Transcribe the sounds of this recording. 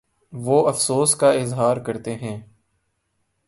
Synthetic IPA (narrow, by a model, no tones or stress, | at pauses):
ʋoːɐfsoːskaɪzɦaːɾkəɾt̪eɦɛ̃ː